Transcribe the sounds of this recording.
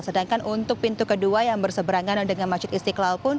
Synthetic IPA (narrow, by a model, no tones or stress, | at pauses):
sədaŋkanʔunt̪ʊk̚pint̪ukəduajaŋbərsəbəɾaŋandəŋanmat͡ʃʊt̪ist̪iklalpʊn